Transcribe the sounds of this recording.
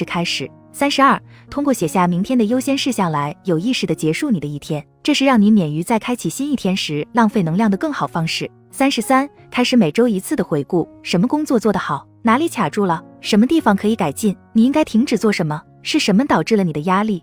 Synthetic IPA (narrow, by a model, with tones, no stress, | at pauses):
kʰa˥ɪʂɻ̩˨˩˦ | sa˥nʂɻ̩˧˥ɐ˥˩t̪ʰʊ˥ŋkwɔ˥˩ɕjɛ˨˩ɕja˥˩mi˧˥ŋt̪ʰjɛ˥nd̪ə˨jo˥ʊɕjɛ˥nʂɻ̩˥˧ɕjɑ˥˩ŋla˧˥ɪjo˨˩ʊi˥˧ʂɻ̩˨˩d̪ə˩t͡ɕjɛ˧˥ʂu˥˩ni˨˩d̪ə˦i˥˩t̪ʰjɛ˥n | ʈ͡ʂɤ˥˧ʂɻ̩˥˧ɻɑ˥˩ŋni˧˥mjɛ˨˩ny˧˥t͡sa˥˩ɪkʰa˥ɪt͡ɕʰi˨˩ɕi˥ni˥˩t̪ʰjɛ˥nʂɻ̩˧˥lɑ˥˧ŋfe˥˩ɪnɤ˧˥ŋljɑ˥˩ŋd̪ə˩kɤ˥˩ŋxɑ˨˩ʊfɑ˥ŋʂɻ̩˥˩ | sa˥nʂɻ̩˧˥sa˥n | kʰa˥ɪʂɻ̩˧˥me˨˩ɪʈ͡ʂo˥ʊi˧˥t͡sʰɹ̩˥˩d̪ə˩xwe˧˥ɪku˥˩ʂə˧˥nmə˧kʊ˥ŋt͡swɔ˥˧t͡swɔ˥˩d̪ə˩xɑ˨˩˦ʊna˧˥li˧˥t͡ɕʰja˨˩ʈ͡ʂu˥˩lə˩ʂə˧˥nmə˧t̪i˥˩fɑ˨˩ŋkʰɤ˧˥i˧˥ka˨˩ɪt͡ɕi˥˩nni˨˩i˥ŋka˥ɪt̪ʰi˧˥ŋʈ͡ʂɻ̩˨˩t͡swɔ˥˩ʂə˧˥nmə˧ | ʂɻ̩˥˩ʂə˧˥nmə˧t̪ɑ˨˩ʊʈ͡ʂɻ̩˥˩lə˩ni˨˩d̪ə˦ja˥li˥˩